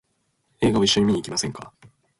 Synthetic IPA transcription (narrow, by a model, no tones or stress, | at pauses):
e̞ːɡaβaiɕːo̞ɲimiɲ̟iːkʲimasẽ̞ŋka̰